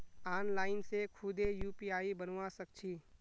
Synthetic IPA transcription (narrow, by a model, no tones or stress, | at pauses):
aːnlaːɪnsekʰʊd̪ejuːpiaːibənwasək̚t͡ʃʰiː